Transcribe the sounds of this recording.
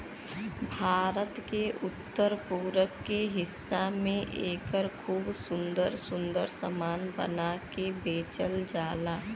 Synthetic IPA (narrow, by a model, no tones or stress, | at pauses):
bʱaːɾət̪keʔʊt̪ːəɾpuːɾəkːeɦɪsːamẽʔeːkəɾkʰuːbsʊ̃nd̪əɾsʊ̃nd̪əɾsə̰maːnbə̰nakebeːt͡ʃəld͡ʒaːlaː